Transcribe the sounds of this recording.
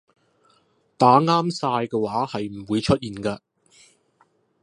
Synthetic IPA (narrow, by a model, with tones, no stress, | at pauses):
t̪aː˨˥ŋaː˥msaː˧jkɛː˧waː˨˥hɐ˨jm̩˨˩wuː˨˧jt͡ʃʰɵ˥t̚jiː˨nkaː˧